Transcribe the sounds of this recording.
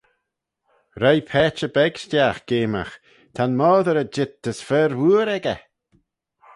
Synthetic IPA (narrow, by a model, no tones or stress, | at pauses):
ɾajpʰɛːt͡ʃəbɛɡʃtjaxɡ̥eːma̰x | t̪ʰanmɔːðəɾəd͡ʒɪt̪̚d̥əsfɛːɾwuːɾɛɡə̰